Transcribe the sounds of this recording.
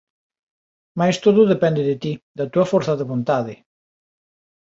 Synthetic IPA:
majst̪oðʊðepɛnd̪eðet̪id̪at̪uɐfoɾθaðeβont̪aðɪ

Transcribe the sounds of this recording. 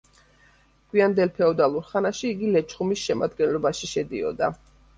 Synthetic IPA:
ɡ̥wiand̪ɛlpʰɛɔd̪alˠuɾχanaʃiːɡilɛt͡ʃʰχumisʃɛma̰d̪ɡɛnlɔbaʃiʃɛd̪iɔ̰d̪a

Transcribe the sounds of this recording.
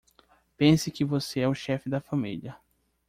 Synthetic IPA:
pẽsɪkɪvoseɛʊʃɛfɪd̪ɐfɐmḭlɐ

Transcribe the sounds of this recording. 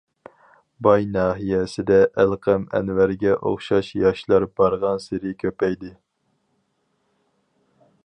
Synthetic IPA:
bɑjnɑːɦijɛsɪd̪ɛʔælqʰɛmɛ̰nvæɾɡʲɛʔo̰χʃɑʃjɑʃlˠɑɾbɑɾʁɑnseɾɪkʲʰøpɛjd̪ɪ

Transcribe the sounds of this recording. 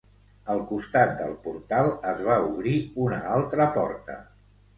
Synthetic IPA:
əlˠkust̪at̪̚d̪ə̰lˠpuɾt̪alˠəzβauβ̞ɾiunəalˠt̪ɾəpɔ̰ɾt̪ə̰

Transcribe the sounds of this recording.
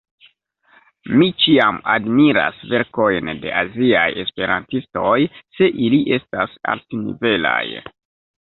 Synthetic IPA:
mit͡ʃiamadmiɾa̰sve̞ɾko̞jnde̞̰ʔaziaje̞spe̞ɾantisto̞jse̞ʔiliʔe̞stasa̰ltinḭve̞la̰j

